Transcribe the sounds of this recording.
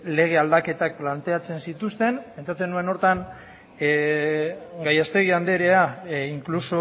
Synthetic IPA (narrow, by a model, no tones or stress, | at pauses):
le̞ɣ̞e̞ald̪ake̞t̪ak̚plant̪e̞at͡se̞nsit̪ust̪e̞npe̞nt͡sat͡se̞nue̞no̞ɾt̪an | ɡajast̪e̞ɣ̞iand̪e̞ɾe̞aiŋkluso